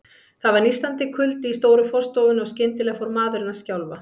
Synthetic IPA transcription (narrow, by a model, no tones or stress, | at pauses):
θaðvaɾnist̪lant̪ɪkʰʏlt̪ɪist̪oːwɾʏfɔr̥st̪oːwvɪnɔɣscɪnt̪ɪlɛːɣfowɾmaːðʏɾɪnːascawlva